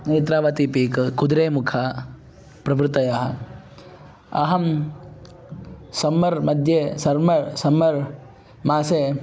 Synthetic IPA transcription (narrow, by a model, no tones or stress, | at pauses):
neːt̪̬ɾaːʋɐt̪ipiːkkud̪ɾeːmukʰa | pɾɐʋɾut̪ɐjaɦɐ̆ | ɐ̰ɦɐm | sɐmːɐɾmɐd̪ʱjeːsɐɾmɐɾsɐmːɐɾ | maːseː